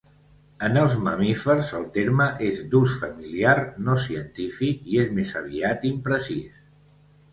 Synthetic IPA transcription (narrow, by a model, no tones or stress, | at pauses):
ənəlˠzmə̰mifəɾzəlˠt̪eɾməʔezd̪usfəmiliaɾnosiənt̪ifikiezmezəβ̞iat̪impɾəsis